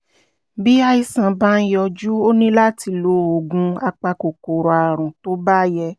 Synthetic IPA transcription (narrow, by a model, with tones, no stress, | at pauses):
bi˦a˧i˧sã˨bã˦jɔ˧d͡ʒu˦o˦nĩ˦la˦ti˧lo˦o˨ɡũ˧a˧k͡pa˧ko˨ko˨ɾɔ˨a˨ɾ̃ũ˨to˦ba˦jɛ˧